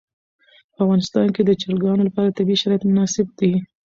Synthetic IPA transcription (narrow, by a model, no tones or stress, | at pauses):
pəavɣɑnɪst̪ɑnked̪ət͡ʃɑɾɡɑnolapɑɾat̪abiʃaɾɑjat̪mʊnɑsɪb̚d̪i